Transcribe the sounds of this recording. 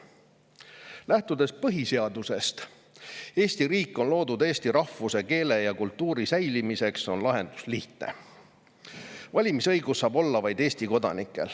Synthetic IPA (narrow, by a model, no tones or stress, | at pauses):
læht̪ud̪̥e̞spɤɦise̞ɑd̪use̞st̪ | e̞ːsʲt̪iɾiːkːˑo̞nlo̞ːd̪ud̪e̞ːst̪iɾɑhvuse̞ke̞ːle̞jɑkult̪ːˑuːɾisæjlimise̞kso̞nlɑɦe̞nd̪̥u̥sliht̪ne̞̰ | vɑlʲimisɤjɡ̥ussːɑːbo̞lːɑvɑjd̪̥eːsʲt̪iko̞d̪ɑ̰nikːˑe̞̰l